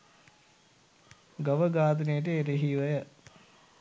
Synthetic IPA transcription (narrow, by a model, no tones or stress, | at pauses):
ɡɐʋəɡaːt̪̬ənejəʈ̬əeɾeɦiʋəjə